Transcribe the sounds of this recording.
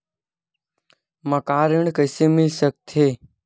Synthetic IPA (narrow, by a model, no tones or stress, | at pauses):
məkaːɾɪɳkəɪsemɪlsək̚t̪ʰeː